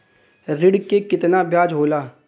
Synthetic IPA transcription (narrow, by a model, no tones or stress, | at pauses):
ɾɪɽkekɪt̪naːbjaːd͡ʒɦoːlaː